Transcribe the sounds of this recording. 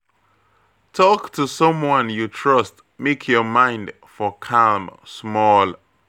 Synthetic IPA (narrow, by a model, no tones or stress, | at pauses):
tʰɔktʰəsʌ̃mwʌ̃njutʰɹ̥ʌst | mekʰjɔmãɪ̃nd | fɔkʰamsmɔlˠ